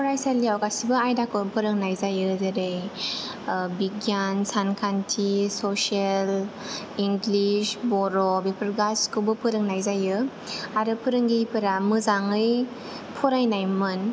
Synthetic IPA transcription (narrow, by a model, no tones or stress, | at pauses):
pɔɾajsalijawɡasibɯajdakɯpʰɯɾɯŋnajzajɯzeɾej | biɡjansankʰantʰisosiel | iŋɡlisbɔɾɔbipʰɯɾɡaskɯbɯpʰɯɾɯŋnajzajɯ | aɾɯpʰɯɾɯŋɡipʰɯɾamɯzaŋɯj | pʰɔɾajnajmɯn